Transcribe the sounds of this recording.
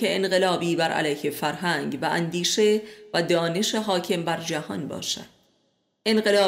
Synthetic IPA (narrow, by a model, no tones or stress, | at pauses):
eenɢe̞lɒːbiːbæɾʔæ̰læjhefæɾɦæŋɡvæʔænd̪iːʃe̞væd̪ɒːne̞ʃe̞ɦɒːcʰe̞mbæɾd͡ʒæhɒ̰nbɒ̰ːʃæ̰d̪̥ | ʔe̞nɢe̞lɒː